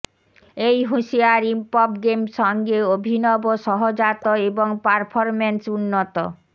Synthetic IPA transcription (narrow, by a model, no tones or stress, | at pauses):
ejɦuʃiaɾimpɔbɡemʃɔŋɡeobʱinɔboʃɔɦod͡ʑat̪oeboŋpaɾpʰoɾmensunːot̪o̰